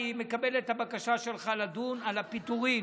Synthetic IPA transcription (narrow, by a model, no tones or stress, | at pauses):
imekabe̞let̪habakaʃaʃelχalad̪unalapit̪uʁi